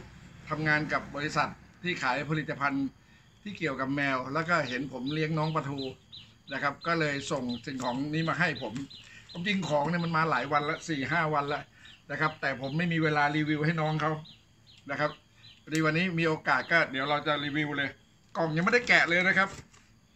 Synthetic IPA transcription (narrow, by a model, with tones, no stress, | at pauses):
t̪ʰa˧mŋaː˧nka˨˩p̚bɔː˧ɾi˧sa˨˩t̪̚ʰːiː˥˩kʰaː˩˦jpʰa˧li˨˩t̪ːa˧pʰa˧n | t̪ʰiː˥˩ki˨˩əwka˨˩p̚mɛː˧wlɛː˦˥wkɔː˥˩ɦe˩˦npʰo˩˦mli˦˥əŋnɔː˦˥ŋp̬ɾa˧t̪ʰuː˧ | na˦˥˩kʰa˦˥p̚kɔː˥˩lɤː˧jso˨˩ŋsi˨˩ŋkʰɔː˩˦ŋniː˦˥maː˧ɦa˥˩jpʰo˩˦mpʰo˩˦mt͡ɕi˧ŋkʰɔː˩˦ŋni˥˩əma˧nmaː˧laː˩˦jwa˧nla˦˥ʔsiː˨˩ɦaː˥˩wa˧nlɛ˦˥ʔna˦˥˩kʰa˦˥p̚t̪ɛː˨˩pʰo˩˦mːa˥˩jmiː˧weː˧laː˧ɾiː˧wi˧wɦa˥˩jnɔː˦˥ŋkʰa˦˥w | na˦˥˩kʰa˦˥p̚ | wa˧diː˧wa˧nːiː˦˥miː˧ʔoː˧kaː˨˩t̪̚kɔː˥˩t̪̚diː˨˩˦əwɾa˧wt͡ɕa˨˩ɾiː˧wi˧wlɤː˧j | kɔ˨˩ŋja˧ŋma˥˩da˥˩jkɛ˨˩ʔlɤː˧jna˦˥kʰa˦˥p̚